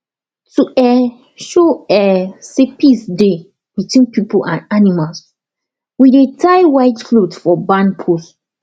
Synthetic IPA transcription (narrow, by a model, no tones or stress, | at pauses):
tuɛ | ʃoɛsepisde | witʰwĩnpipolʔãnanimals | widetʰaɪwaɪtflodfɔbãnpʰus